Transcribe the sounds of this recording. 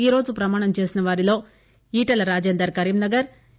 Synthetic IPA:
iːɾoːd͡ʒupɾɐmaːɳɐmt͡ʃe̞ːsinɐʋaːɾilo̞ː | iːʈɐlɐɾaːd͡ʒeːnd̪ɐɾkɐɾiːmnɐɡɐɾ

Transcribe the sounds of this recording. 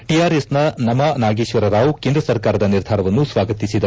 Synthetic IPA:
ʈijaːɾesnɐnɐmɐnaːɡiːʃʋɐɾɐɾaːʋukeːnd̪ɾɐsɐɾkaːɾɐd̪ɐniɾd̪ʱaːɾɐʋɐnːusʋaːɡɐt̪isid̪ɐ

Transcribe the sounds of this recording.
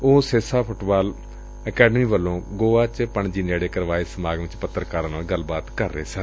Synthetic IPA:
oːseːsaːpʰʊʈbaːl | əkɛːɖmiːʋəlːõːɡoːaːt͡ʃpəɳd͡ʒiːnaːɽeːkəɾʋaːeːsəmaːɡʋɪt͡ʃpət̪ːəɾkaːɾaːnaːlɡəlːbaːt̪kəɾːḛːsə̃

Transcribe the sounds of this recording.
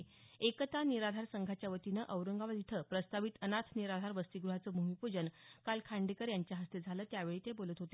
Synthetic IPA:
ekt̪aniɾad̪ʱaɾsəŋɡʱat͡ɕjaʋət̪inəʔəwɾəŋɡaʋad̪it̪ʰəːpɾəst̪aʋit̪ənat̪ʰniɾad̪ʱaɾʋəst̪iɡɾuɦat͡səbʱumipud͡ʑənkalkʰaɳɖekəɾjaɲt͡ɕjaɦəst̪ed͡zʱaləːt̪jaʋeɭiːt̪ebolət̪ɦot̪e

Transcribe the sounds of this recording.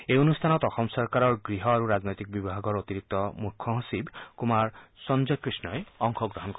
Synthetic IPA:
ejonust̪ʰanɔt̪ɔxʰɔmsɔɾkaɾɔɾɡɾiɦɔaɾuɾad͡znojt̪ik̚bibʱaɡɔɾot̪iɾik̚t̪ɔmukʰːɔɦɔsibkumaɾsɔnd͡ʒɔkɾisnɔeɔŋkʰɔɡɾɔɦɔnkɔ

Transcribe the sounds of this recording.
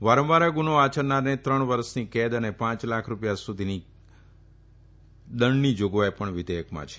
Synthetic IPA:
ʋaɾə̃mʋaɾaɡunoat͡ʃəɾnaɾnet̪ɾəɳʋəɾəʃniked̪ənepãt͡ʃlakʰɾupjasud̪ʱini | d̪əɳnid͡ʒoɡʋajpəɳʋɪd̪ʱejəkmã̰t͡ʃʰe̥

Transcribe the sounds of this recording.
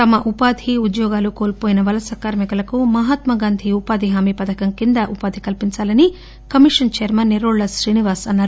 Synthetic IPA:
t̪ɐmɐʔupaːd̪ʱiud̪jɔːɡaːlukoːlpoːjinɐʋɐlɐsɐkaːɾmikɐlɐkumɐɦaːt̪mɐɡaːnd̪ʱiupaːd̪ʱiɦaːmipɐd̪ɐkɐŋkind̪ɐʔupaːd̪ʱikɐlpiɲt͡ʃaːlɐni | kɐmiʂɐnt͡ʃeːɾmɐnːiɾoːɭlɐsɾiːniʋaːsɐnːaːɾu

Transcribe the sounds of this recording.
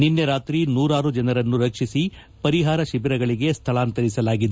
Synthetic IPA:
ninːɐɾaːt̪ɾinuːɾaːɾud͡ʒɐnɐɾɐnːuɾɐkʂisi | pɐɾiɦaːɾɐʃibiɾɐɡɐɭiɡe̞st̪ʰɐɭaːnt̪ɐɾisɐlaːɡid̪e

